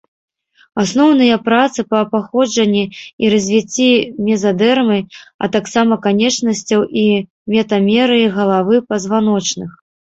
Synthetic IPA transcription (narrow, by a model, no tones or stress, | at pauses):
asnɔwnɨjɐpɾat̪sɨpɐːpaxɔd͡ʐɐnʲːiiɾɐzʲvʲit͡sʲːimʲɛzad̪ɛrmɨɐ̰t̪aksamɐkanʲɛt͡ʂnɐsʲt͡sʲɐwʔi | mʲɛt̪ɐmʲɛɾɨiɣɐlˠavɨpɐzvan̪ɔt͡ʂnɨx